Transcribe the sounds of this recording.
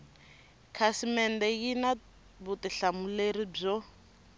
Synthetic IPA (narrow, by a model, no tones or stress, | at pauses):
kʰasimɛndɛjina | βutiɬamuleɾib͡ʐɔ